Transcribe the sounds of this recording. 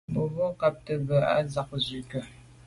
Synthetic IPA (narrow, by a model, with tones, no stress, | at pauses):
bo˨vɔ˦ka˨p̚tə˨bə˨a̰˦za˨k̚zʉ˨kə˨